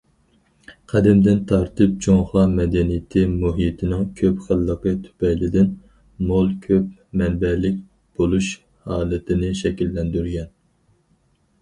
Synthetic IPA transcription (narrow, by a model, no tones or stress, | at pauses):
qʰæd̪ɪmd̪ɪnt̪ʰɑɾt̪ʰɨp̚d͡ʒoŋχɑmɛd̪ɛnijɪt̪ʰɪmuɦijt̪ʰɪnɪŋkʲʰøpχælˠːəqət̪ʰy̥pɛjlɪd̪ɪn | molˠkʲʰøpmɛnbɛlɪk̚ʲ | b̥olˠuʃ | hɑːlˠɨt̪ʰɪnɪʃɛkʲilːɛnd̪yɾɡʲɛn